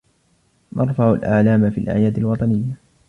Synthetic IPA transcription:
nʔɑɾˤfaʕalʔa̰ʕlaːmafḭːlʔa̰ʕjaːd̪alwɑt̪ˤɑnɪjːa

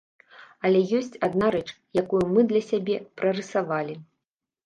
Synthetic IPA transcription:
ɐlʲɛjɔsʲt͡sʲad̪naɾɛt͡ʂ | jakujumɨd̪lʲɐsʲabʲɛpɾɐrɨsavalʲi

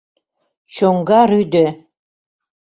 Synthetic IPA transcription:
ʃoŋɡɑɾyd̪ɘ

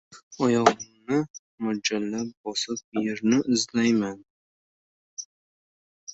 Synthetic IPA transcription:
ɒjɒʁmnɪ | mʊd͡ʒalːabɒsɪp̚jeɾnɪʔɪzlajman

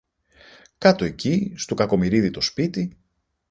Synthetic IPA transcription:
kɐt̪o̞e̞cist̪okɐko̞miɾiðit̪o̞spit̪i

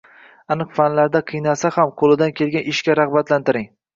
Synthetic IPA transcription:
anɨqfanlaɾd̪aqʰɨjnasahamqʰolɪd̪ankʲʰelɡʲanɪʃkʲaɾaʁbat̪lant̪ɪɾɪŋ

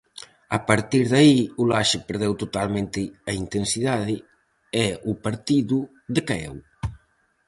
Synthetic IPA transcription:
ɐpaɾt̪iɾðɐiulaʃɪpeɾðɛwt̪ot̪almẽnt̪ɪɐint̪ensiðaðɪ | ɛʊpaɾt̪iðʊ | ðɪkaɛ̰w

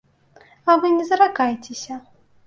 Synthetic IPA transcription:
ɐvɨnʲɛzɐɾakajt͡sʲesʲɐ

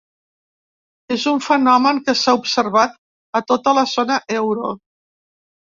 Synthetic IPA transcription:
ezuɱfənɔməŋkəsaupsərβat̪̚ | ət̪ot̪ələzonəʔɛwɾo

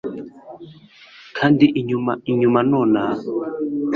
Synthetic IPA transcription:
kʰandiʔɲmaiɲumanɔna

